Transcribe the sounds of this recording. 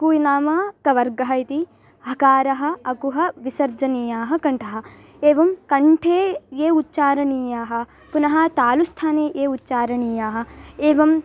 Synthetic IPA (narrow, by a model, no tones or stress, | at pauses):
kuːinaːmɐkɐʋɐɾɡɐɦɐjt̪i | ɦɐkaːɾɐɦɐ̆ɐkuɦɐʋisɐɾd͡ʒɐniːjaːɦɐkɐɳʈʰɐɦɐ̆ | eːʋɐmkɐɳʈʰeːjeːut̪ːt͡ʃaːɾɐniːjaːɦɐ̆ | punɐɦɐ̆t̪aːlust̪ʰaːneːjeːutːt͡ʃaːɾɐɳiːjaːɦɐ̆eːʋɐm